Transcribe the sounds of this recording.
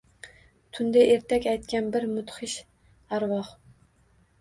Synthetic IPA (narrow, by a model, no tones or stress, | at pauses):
t̪ʰund̪ɛʔeɾt̪ʰɛkʲɛjt̪kʲɛnbɪɾmut̪χɨʃ | æɾwɑχ